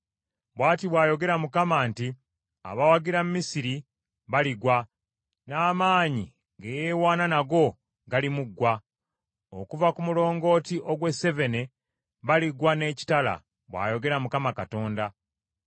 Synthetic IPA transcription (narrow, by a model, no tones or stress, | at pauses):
βwaːtiβwaːjo̞ɡe̞ɾamukamaːnti | a̰βawaɡiɾam̩mːisiɾi | βaliɡwa | naːmaːɲi | ŋɡejeːwaːnanaɡo̞ | ɡalimuɡwa | o̰kuvakumulo̞ːŋɡo̞ːtiʔo̞ɡwe̞se̞ve̞ne̞ | βaliɡwane̞ːci̥tala̰ | βwa̰ːjo̞ɡe̞ɾamukamakato̞ːnda